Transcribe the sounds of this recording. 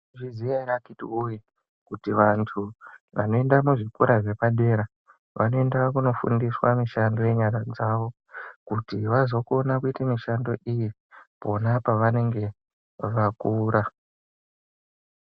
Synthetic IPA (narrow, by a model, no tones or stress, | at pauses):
ʐizijairakitiuje | kutiʋantʰuʋa̰no̞e̞ndamuʐikuɾaʐe̞paɗe̞ːɾa | ʋʔano̞e̞ndakuno̞fṵndiswamiʃando̞je̞ɲaɾad͡zaʋo̞ | kutiʋazo̞ko̞nakuitamiʃando̞ʔiji | po̞napaʋane̞ŋɡe̞ | ʋakuːɾa